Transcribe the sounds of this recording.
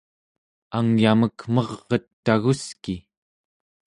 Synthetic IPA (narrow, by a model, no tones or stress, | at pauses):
aŋjaməkmʌʁːʌt̪ːaɣuski